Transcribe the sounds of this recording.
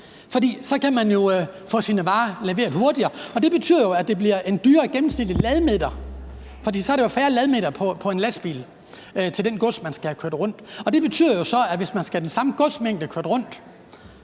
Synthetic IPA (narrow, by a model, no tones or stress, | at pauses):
fɒ̽d̥ḭːsɒ̽kʰæmænjo̝fɔ̰̽ːsinəʋɑ̈ːleʋe̝̰ːɐð̩ˠho̝ɐd̥iɐːɒ̽d̥e̝b̥e̝t͡sʰy̰ð̰ˠɐjo̝æd̥e̝bliɐʔe̝nd̥yːɐɡ̥emn̩snil̰d̥əlɛð̞ˠmed̥ɐ | fɒ̽d̥ḭːsɒ̽ɐɾ̥ejo̝fæːɐlɛð̞ˠmed̥ɐpʰɒ̽pʰɒ̽e̝nlæsb̥ḭːl | t͡sʰeld̥enɡ̥ɔ̽smænsɡ̥æhkʰøɐd̥ʁɔ̽n̰d̥ɒ̽d̥e̝b̥e̝t͡sʰy̰ð̰ˠɐjo̝sɒ̽æʋe̝smænsɡ̥æd̥ensɑ̈məɡ̥ɔ̽smeŋ̰d̥əkʰøɐd̥ʁɔ̽n̰d̥